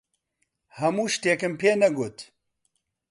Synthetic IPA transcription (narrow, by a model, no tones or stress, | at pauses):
hɐmuːʃt̪eːkɨmpʰeːnɛɡut̪